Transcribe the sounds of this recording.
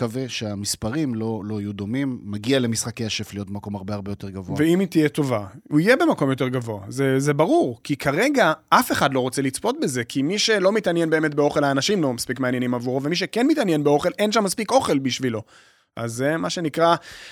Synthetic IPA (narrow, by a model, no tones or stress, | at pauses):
kaveʃeamispaʁimlo̞lo̞ajud̪o̞mimːaɡiale̞misχakejaʃeflijot̚bemako̞maʁbeaʁbe̞jo̞t̪e̞ʁɡavoaveimit̪ijet̪o̞vauijebe̞mako̞mjot̬e̞ʁɡavo̞azezebaʁuʁkikʰaʁe̞ɡaʔafe̞χadlo̞ʁo̞t͡selit͡spo̞t̚be̞ze̞kʰimiʃe̞lo̞mit̪anjenbe̞ːme̞t̪̚beo̞χe̞laːnaʃimlo̞maspikmeanjenimavuʁove̞miʃ̬e̞kenmitanjenbeo̞χe̞lʔenʃamːaspiko̞χe̞lbiʃvilo̞ | ʔa̰zemaʃe̞nikʁa